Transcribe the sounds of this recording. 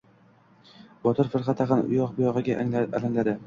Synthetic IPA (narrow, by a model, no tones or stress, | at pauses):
bɒt̪ʰɪɾfɪɾχɑt̪ʰɑqɑnʊ̰jɒq̚bʊjɒʁɨɡʲalaŋlad̪ɪ